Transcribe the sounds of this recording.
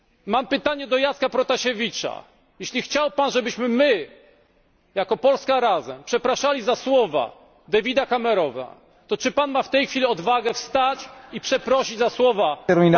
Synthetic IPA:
mampɘt̪aɲɛd̪ɔjat̪skapɾɔt̪aɕevʲit͡ʂa̰ | jeɕlʲixt͡ɕawpanʐɛbɘɕmɘmɘ | jakɔpɔlskaɾazɛmpʂɛpɾaʂalʲizaswɔva̰ | d̪avʲid̪akamɛɾɔva̰ | t̪ɔt͡ʂɘpanmaft̪ɛjxfʲilʲiɔd̪vaɡɛfst̪at͡ɕipʂɛpɾɔɕid͡ʑzaswɔvaɛɾmʲin

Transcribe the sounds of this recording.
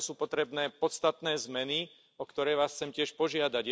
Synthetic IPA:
suːpɔt̪ɾɛbnɛːpɔt̪st̪at̪nɛːzmɛni | ɔkt̪ɔɾɛːʋaːsxt͡sɛmcɪɛʃpɔʒɪad̪aɟ

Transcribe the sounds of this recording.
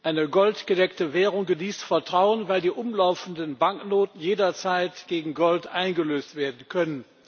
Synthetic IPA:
ʔaɪnəɡɔltɡ̥ədɛktəvɛːʁʊŋɡəniːstfɛɐtʁ̥aʊənvaɪldiːʔʊmlaʊfn̩dənbaŋknoːtn̩jeːdɐt͡saɪtɡ̥eːɡŋ̩ɡɔltʔaɪnɡəløːstv̥eːɐdn̩kʰœnən

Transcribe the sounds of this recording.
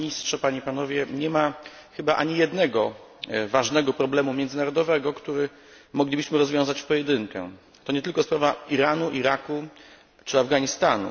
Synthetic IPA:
ɲistʂɛpaɲipanɔvʲjɛɲɛmaxɘbaʔa̰ɲijɛd̪nɛɡɔ | vaʐnɛɡɔpɾɔblɛmumʲjɛnd̪zɘnaɾɔd̪ɔvɛɡɔkt̪uɾɘ | mɔɡlʲibɘɕmɘɾɔzvʲjɔ̃zat͡ɕpɔjɛd̪ɘŋkɛ̰ | t̪ɔɲɛt̪ɘlkɔspɾavaiɾanuʔiɾaku | t͡ʂɘavɡaɲist̪anṵ

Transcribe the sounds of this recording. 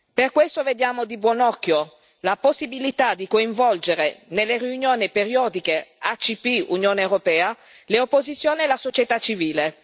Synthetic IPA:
perkwest̪oved̪jaːmod̪ibwɔnɔkːjo | laposːibilit̪ad̪ikoiɱvɔld͡ʒeɾenelːeriunjoːnipeɾjɔːd̪ikeat͡ʃipiṵnjoːneewɾopɛːa | leopːozit̪sːjoːniːlasot͡ʃjet̪at͡ʃːiviːle

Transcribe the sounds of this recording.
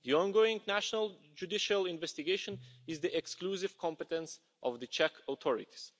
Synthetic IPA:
ðiɔ̃nɡoɪ̃ŋnæʃənəlˠ | d͡ʒudɪʃəlˠɪ̃nvɛstɪɡeɪʃɔ̃nɪzðiʔɛksklusɪv̥kʰɔ̃mpət̪ɛ̃ns | ʔɔvðɨt͡ʃʰɛkʰot̪ʰɔɹɪ̰t̪i̥z̥

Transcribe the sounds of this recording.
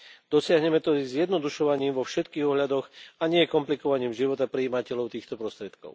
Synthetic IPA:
d̪̥ɔsɪaɦɲɛmɛt̪ɔizɪjɛd̪nɔd̪uʃɔʋaɲiːmʋɔfʃɛt̪kiːɣɔɦʎad̪ɔɣaɲɪɛɛkɔmplikɔʋaɲiːmʒiʋɔt̪apɾiːmacɛʎɔʊt̪iːxt̪ɔpɾɔst̪ɾɪɛt̪kɔ̰ʊ

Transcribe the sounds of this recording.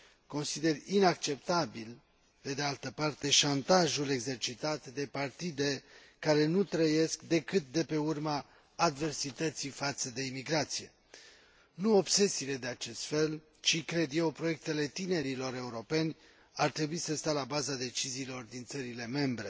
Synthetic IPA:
ko̞nsid̪e̞rinakt͡ʃe̞p̚t̪abil | pe̞d̪e̞alt̪əpart̪e̞ʃant̪aʒule̞ɡze̞rt͡ʃit̪at̪d̪e̞part̪id̪e̞ | kaɾe̞nut̪ɾəje̞skd̪e̞kɨt̪̚d̪e̞pe̞urmaː | d̪ve̞rsit̪ət̪sifat̪səd̪e̞imiɡɾat̪sije̞ | nuo̞bse̞sile̞d̪e̞at͡ʃe̞st̪fe̞l | t͡ʃikɾe̞d̪je̞wpɾoje̞k̚t̪e̞le̞t̪ine̞ɾilo̞ɾe̞uɾo̞pe̞nʲ | art̪ɾe̞buisəst̪alabazad̪e̞t͡ʃiziːlo̞rd̪int̪səɾile̞me̞mbɾe̞

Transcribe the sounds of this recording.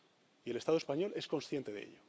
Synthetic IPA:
ie̞le̞st̪aðoe̞spaɲo̞le̞sko̞nsθje̞nt̪e̞ðeḛʎo

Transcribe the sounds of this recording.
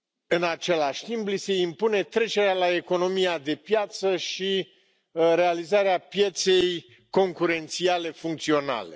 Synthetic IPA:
ɨnat͡ʃe̞laʃʲt̪implise̞impune̞t̪ɾe̞t͡ʃe̞ɾealae̞ko̞no̞mijad̪e̞pjat̪səʃi | ɾe̞alizaɾeapje̞t̪se̞j | ko̞ŋkuɾe̞nt̪siale̞fuŋk̚t̪sio̞na̰le̞

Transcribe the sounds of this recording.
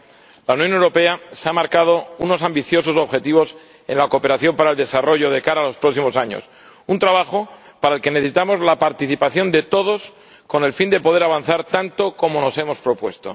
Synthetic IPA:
launjone̞wɾo̞pe̞aseamaɾkað̞o̞uno̞sambiθjo̞so̞so̞βxe̞t̪iβ̞o̞s | e̞̰nlakope̞ɾaθjo̞mpaɾaeld̪e̞saro̞ʝo̞ð̞e̞kaɾaːlo̞spɾo̞ksimo̞saɲo̰s | unt̪ɾaβ̞axo̞ | paɾaelke̞neθesit̪amo̞zlapaɾt̪iθipaθjo̞nd̪e̞t̪o̞ð̞o̞s | ko̞ne̞lfind̪e̞po̞ð̞eɾaβ̞an̟θaɾt̪ant̪oko̞mo̞no̞se̞mo̞spɾo̞pwe̞st̪o

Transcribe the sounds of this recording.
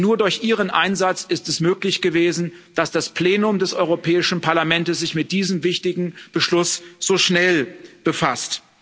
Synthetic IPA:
nuːɐdʊɐçʔiːʁ̞ənʔaɪnzat͡sɪstɛsmøːklɪçɡ̥əveːzn̩ | d̥asd̥aspl̥eːnʊmdɛsɔʏʁopʰɛːɪʃn̩pʰaɐlamɛntəsz̥ɪçmɪt̚d̥iːzəmvɪçtɪɡŋ̩b̥əʃlʊsz̥oːʃnɛlb̥əfast

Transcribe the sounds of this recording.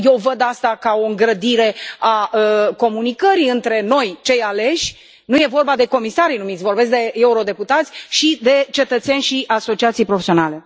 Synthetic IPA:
je̞wvəd̪ast̪akaoɨŋɡɾəd̪iɾe̞aəko̞munikəɾiɨnt̪ɾe̞no̞jt͡ʃe̞jale̞ʃʲ | nuje̞vo̞rbad̪e̞ko̞misaɾijnumit̪sʲvo̞rbe̞s̬k̚d̪e̞euɾo̞d̪e̞put̪at̪sʲʃid̪e̞t͡ʃe̞t̪ət̪sjenʲʃiʔaso̞t͡ʃiat̪sijpɾofesio̞nale̞

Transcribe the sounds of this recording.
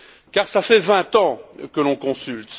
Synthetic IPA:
kaʁsafɛvɛ̃t̪ɑ̃kəlɔ̃kɔ̃sylt̪

